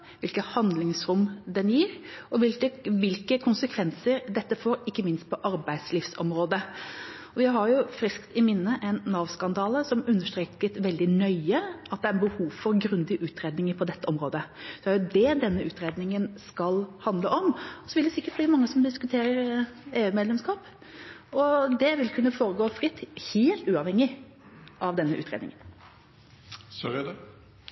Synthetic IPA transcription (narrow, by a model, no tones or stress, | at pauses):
ʋɪlkəhɑnd̪lɪŋsɾʊmd̪ɛnjiːɾɔʋɪləʋɪlkəkʰʊnsəkʰʋɛnsəɾd̪ɛt̪ːəfoːɾɪkːəmɪnst̪̚pʰɔʔɑɾbæɪd̪slɪfsɔ̰mɾoːd̪ə | ɔjæɪɦɑɾjʊfɾɪskt̪ɪmɪnːəʔæɪnːɑːʋskɑnd̪ɑːləsɔmʉnːəʂt̪ɾeːkət̪ʋɛld̪ɪnœʏəɑt̪̚d̪ɛæɾɛbəhuːʋfɔɾɡɾʉnd̪ɪəʔʉːt̪ʰɾeːd̪nɪŋəɾpʰɔd̪ɛt̪ːəɔmɾoːd̪əsɛæɾjʊd̪ɛd̪ɛnːəʉːt̪ɾeːd̪nɪŋənskɑlhɑnd̪ləʔɔmɔsɔʋɪld̪ɛsɪkːəʈb̪iːmɑŋːəsɔmd̪ɪskʉt̪ʰeːɾəɾeːʉːmeːd̪lɛmskɑːp | ɔd̪ɛʋɪlkʰʉnːəfoːɾəɡoːfɾɪt̪ːheːlt̪ʉːɑʋhɛŋːɪ | ʔɑʋd̪ɛnːəʔʉ̰ːt̪ɾḛd̪nɪ̰ŋən | sœɾəd̪ɛ